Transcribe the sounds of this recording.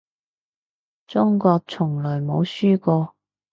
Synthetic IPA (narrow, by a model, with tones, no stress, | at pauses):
t͡sʊ˥ŋkɔː˧k̚t͡sʰʊ˨˩ŋlœː˨˩jmo˨˧˥wsyː˥kɔː˧